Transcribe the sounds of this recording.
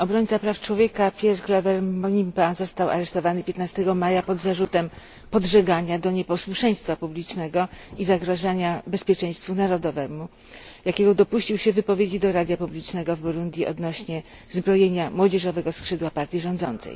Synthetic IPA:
ɔbɾɔɲt̪sapɾaft͡ʂwɔvʲjekapʲjɛɾklɛvɛɾmɔɲimpazɔst̪awa̰ɾɛʂt̪ɔvanɘpʲjet̪nast̪ɛɡɔmajapɔd̪zaʐut̪ɛm | pɔd̪ʐɛɡaɲad̪ɔɲɛpɔswuʂɛj̃st̪fapublʲit͡ʂnɛɡɔizaɡɾɔʐaɲabɛspʲjɛt͡ʂɛ̃j̃st̪funaɾɔd̪ɔvɛmu | jakʲɛɡɔd̪ɔpuɕt͡ɕiwɕɛvɘpɔvʲjed͡ʑid̪ɔɾad̪ʲjapublʲit͡ʂnɛɡɔvbɔɾund̪ʲjiɔ̰d̪nɔɕɲɛ | zbɾɔjeɲamwɔd͡ʑɛʐɔvɛɡɔskʂɘd̪wapaɾt̪ʲjiʐɔ̃nd̪zɔnt̪sɛ̰j

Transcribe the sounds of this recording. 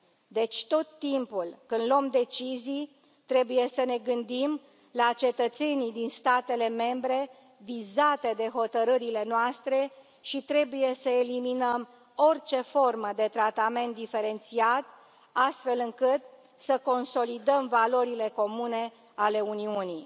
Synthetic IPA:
d̪e̞t͡ʃʲt̪o̞t̪ːimpulkɨnd̪loomd̪e̞t͡ʃizij | t̪ɾe̞buje̞səne̞ɡɨnd̪im | lat͡ʃe̞t̪ət̪se̞nid̪inst̪at̪e̞le̞me̞mbɾe̞ | vizat̪e̞d̪e̞ɦo̞t̪əɾɨɾile̞noast̪ɾe̞ | ʃit̪ɾe̞buje̞səeliminəm | o̞rt͡ʃe̞fo̞rməd̪e̞t̪ɾat̪ame̞nt̪̚d̪ife̞ɾe̞nt̪siat̪ | ast̪fe̞lɨŋkɨt̪ | səko̞nso̞lid̪əmvalo̞ɾile̞ko̞mune̞ | ale̞uniunij

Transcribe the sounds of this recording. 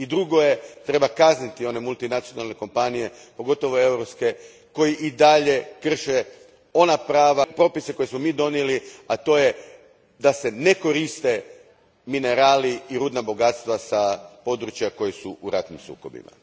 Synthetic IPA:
id̪ɾuɡo̞je̞t̪ɾe̞bakaznit̪io̞ne̞mulˠt̪inat̪sio̞nalˠne̞ko̞mpanije̞ | po̞ɡo̞t̪o̞ʋo̞e̞wɾopske̞ | ko̞jiʔid̪aʎe̞kr̩ʃe | o̞napɾaːʋapɾo̞pise̞ko̞jesmo̞miːd̪o̞nijeliat̪o̞je̞ | d̪ase̞ne̞ko̞ɾist̪e̞ | mine̞ɾaːliːɾuːd̪nabo̞ɡat̪st̪ʋasapo̞d̪ɾut͡ʃjako̞jesuʔuɾat̪nimsṵːko̞̰bḭma̰

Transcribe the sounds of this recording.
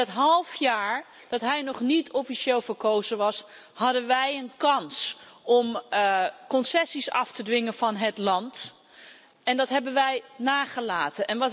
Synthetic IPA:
ɑtɦɑlˠfjaːɹ | d̥ɑtɦɛjnɔχnitʰɔfiʃɪːlˠvəɹkowzəʋɑshɑdənʋɛjənkɑnsɔm | kɔnsɛsisɑftədʋɪŋənvɑnɦətlɑnt | ɛndɑtɦɛbənʋɛjnaːχəlaːtənʔɛnʋɑt

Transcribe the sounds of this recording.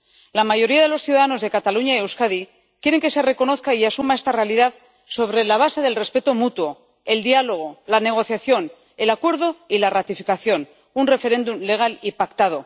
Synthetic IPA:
lamaʝo̞ɾiaðe̞lo̞sθjuðaðano̞zðe̞kat̪aluɲajewskaði | kje̞ɾe̞ŋke̞se̞re̞ko̞no̞θkaiasumaest̪are̞aliðað | so̞β̞ɾe̞laβ̞ase̞ðe̞lrespe̞t̪o̞mut̪wo̞ | e̞ld̪ialo̞ɣ̞o̞lane̞ɣ̞o̞θjaθjo̞n | e̞lakwe̞ɾðo̞ilarat̪ifikaθjo̞n | unre̞fe̞ɾe̞nd̪umle̞ɣ̞alipakt̪að̞o̞

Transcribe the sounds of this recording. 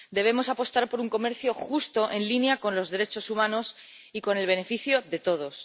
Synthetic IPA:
d̪e̞β̞e̞mo̞sapo̞st̪aɾpo̞ɾuŋko̞me̞ɾθjo̞xust̪o̞ʔe̞nlinjako̞nlo̞zðe̞ɾe̞t͡ʃo̞sumãno̞s | iko̞ne̞lβ̞e̞ne̞fiθjo̞ðe̞t̪o̞ð̞o̞s

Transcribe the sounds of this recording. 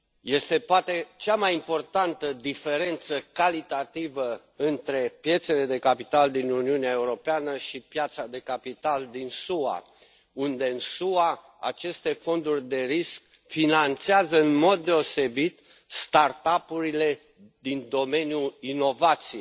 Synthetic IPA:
je̞st̪e̞poat̪e̞t͡ʃamajimpo̞rt̪ant̪əd̪ife̞ɾe̞nt̪səkalit̪at̪ivə | ɨnt̪ɾe̞pje̞t̪se̞le̞d̪e̞kapit̪ald̪inuniuneaeuɾo̞peanəʃipjat̪sad̪e̞kapit̪ald̪insua̰ | und̪e̞ɨnsua | a̰t͡ʃe̞st̪e̞fo̞nd̪urʲd̪e̞ɾisk̚ | finant̪seazəɨnmo̞d̪̚ːe̞o̞se̞bit̪ | st̪art̪apuɾile̞ | d̪ind̪o̞me̞njuino̞vat̪sije

